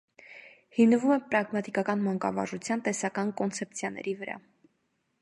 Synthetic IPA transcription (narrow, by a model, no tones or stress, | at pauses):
himnəvumɛpɾɑɡmɑt̪ikɑkɑnmɑŋkɑ̰vɑ̰ʒut͡sʰjɑnt̪ɛsɑkɑnkɔnt͡sʰɛp̚t͡sʰjɑnɛ̰ɾivəɾɑ̰